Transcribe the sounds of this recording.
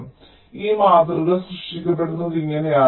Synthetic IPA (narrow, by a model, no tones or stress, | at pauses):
iːmaːt̪ɐrɐlɨsrɨʂʈikʲːɐp̬ːe̞ɽunːuðiŋːɐnejaː